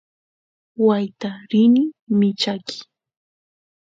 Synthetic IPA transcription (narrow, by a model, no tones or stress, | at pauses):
wajt̪aɾɪnɪmɪt͡ʃakʰɪ̥